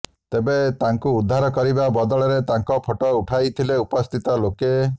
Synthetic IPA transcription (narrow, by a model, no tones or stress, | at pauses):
t̪ebet̪aŋkuːd̪ʱːaɾɔkɔɾibabɔd̪ɔɭɔɾet̪aŋkɔpʰoʈɔuʈʰajt̪ʰileupɔst̪ʰit̪ɔloke